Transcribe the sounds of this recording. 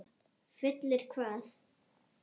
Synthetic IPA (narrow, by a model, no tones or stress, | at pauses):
fɪt̪lɪɾ̥kʰvaːθ